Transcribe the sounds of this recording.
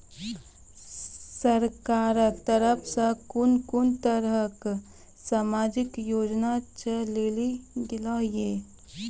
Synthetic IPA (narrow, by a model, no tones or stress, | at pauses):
səɾkaːɾəkt̪əɾəpʰsə̃kʊnkʊnt̪əɾək | saːmaːd͡ʒɪkjoːd͡ʒnat͡ʃəleːliɡɪlaːjeː